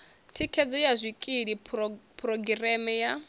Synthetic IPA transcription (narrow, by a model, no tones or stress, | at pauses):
tʰikʰɛd͡zɔjazʷikʼiɺipʰrɔɡirɛmɛja